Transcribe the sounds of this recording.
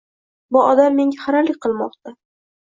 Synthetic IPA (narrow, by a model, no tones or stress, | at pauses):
bʊɒd̪amːe̞ŋɡʲaχaɾalɪk̚ʲqʰɨlˠmɒq̚t̪a